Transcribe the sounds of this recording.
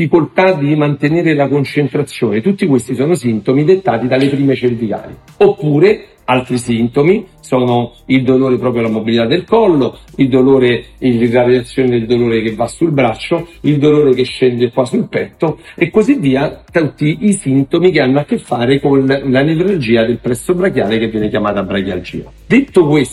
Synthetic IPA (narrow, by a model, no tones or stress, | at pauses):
fikolt̪ad̪imant̪eneːɾelakont͡ʃent̪ɾat̪sːjoːnet̪ut̪ːikwest̪isɔːnosint̪omid̪et̪ːaːt̪id̪alepɾiːmet͡ʃelvika̰ːliopːuːɾe | alt̪ɾisint̪omisɔːnoild̪oloːɾepɾɔːpɾjolamobilit̪ad̪ːelkɔlːoild̪oloːɾeilaɾeat̪sːjoːned̪eld̪oloːɾekevːasːulbɾat͡ʃːoild̪oloːɾekeʃːɛnd̪ekːwasulpɛt̪ːoekːozivːiːat̪at̪ːiʔisint̪omikeanːoakːefːaːɾekonlanevɾald͡ʒiːad̪elpɾɛt̪sːobɾakjaːlekevːjɛːnekjamaːt̪abɾakja̰ld͡ʒḭːa̰ | d̪et̪ːokwes